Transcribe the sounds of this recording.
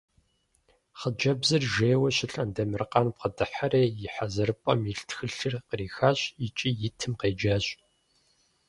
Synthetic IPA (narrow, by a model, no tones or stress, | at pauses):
χəd͡ʒɐbzɨrʒeːwɐɕɪɬɐndɐmɨrqɑːnp̚qədɨħareːjɪħazɐrɨpʼɐ̰miɬtxɨɬɨrqəriːxaːɕit͡ʃʼiːjɪtʰɨmqeːd͡ʒaːɕ